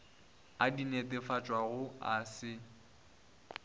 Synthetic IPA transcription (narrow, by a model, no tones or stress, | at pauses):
adinetʼɪfat͡ʃʼwaɣʊasɪ